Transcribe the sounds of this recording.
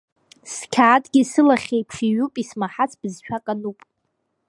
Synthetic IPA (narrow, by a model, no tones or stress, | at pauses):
skʲʰaːtʼɡʲisɨlaχʲejpʰʂiɥupʼismaħat͡sʰb̥ɨzʃᶣakʼanupʼ